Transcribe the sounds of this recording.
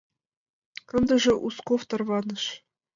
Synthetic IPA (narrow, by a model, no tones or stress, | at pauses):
kɤ̆nd̪ɤ̆ʐɤ̆ʔuskoft̪ɤ̆rvɑnɤ̆ʂ